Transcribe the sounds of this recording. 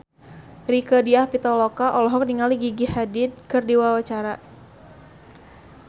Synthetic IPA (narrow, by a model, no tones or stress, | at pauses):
rikɔdiahpit̪ɔlɔkaʔɔlɔɦɔk̚niŋaliɡiɡihadɪd̪̚kɨrdiwawat͡ʃaɾa